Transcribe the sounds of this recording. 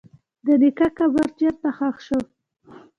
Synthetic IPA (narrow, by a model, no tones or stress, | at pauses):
d̪ənikakabaɾt͡ʃjaɾt̪axɑxʃo